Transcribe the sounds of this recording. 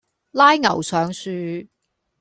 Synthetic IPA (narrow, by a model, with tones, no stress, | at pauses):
laː˥jŋɐ˨˩wsœː˨ŋsyː˧